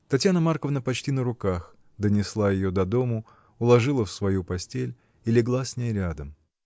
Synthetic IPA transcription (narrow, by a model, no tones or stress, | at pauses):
t̪ɐtʲjanəmarkəvnəpɐt͡ɕtʲinəɾʊkax | d̪ənʲɪslˠajɪjo̞d̪ɐd̪o̞mə | ʊlˠɐʐɨlˠəfsvɐjupɐsʲtʲelʲ | ɪlʲɪɡlˠasʲnʲejɾʲad̪əm